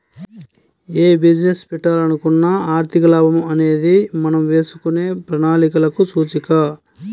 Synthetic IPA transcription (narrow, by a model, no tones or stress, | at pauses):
eːbid͡ʒnespiʈːɐɾɐnukunːɐaːɾt̪ʰikɐlaːbʱɐmɐne̞ːd̪imɐnɐmʋe̞ːsu̥kuneːpɾɐnaːlikɐlɐkusuːt͡ʃikɐ